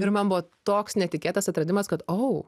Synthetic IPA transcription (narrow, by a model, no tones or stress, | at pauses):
ɪɾmɐnbʊʋot̪oːksnʲɛt̪ʲɪkʲeːt̪ɐsɐt̪ɾɐd̪ʲɪmɐskɐt̪oʊ